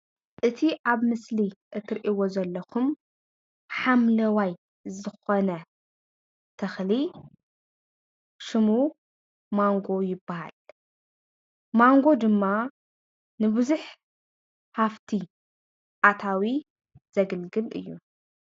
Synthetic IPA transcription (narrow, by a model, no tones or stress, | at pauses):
ʔɨt̪ʰiʔaβmɨsliʔɨt̪ʰːɨɾʔiwo̞zɐlːɐkʰum | ħamlɐwaj | zɨxonɐ | t̪ʰɐxli | ʃɨmu | maŋɡo̞jɪbːaha̰l | maŋɡo̞d̪ɨmːa | nɨbɨzuħ | haft̪ʰi | ʔat̪ʰawi | z̥ɐɡɨlɡɨlʔɨ̰jːu